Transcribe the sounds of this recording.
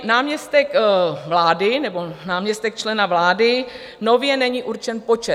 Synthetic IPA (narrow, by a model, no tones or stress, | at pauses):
naːmɲɛst̪ɛkvlaːdɪnɛbo̞naːmɲɛst̪ɛk̚t͡ʃlɛnavlaːdɪ | no̞vjɛnɛɲiːʔuɾt͡ʃɛnpo̞t͡ʃɛ